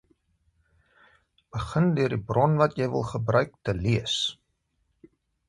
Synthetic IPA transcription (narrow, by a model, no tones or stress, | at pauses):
b̥əχəndøərdibrɔnvɐtjəjvə̰lˠχəbrœɥk̚təliəs